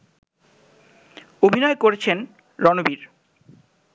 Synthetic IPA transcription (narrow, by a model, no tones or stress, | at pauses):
obʱinɔekoɾet͡ɕʰen | ɾɔnobiɾ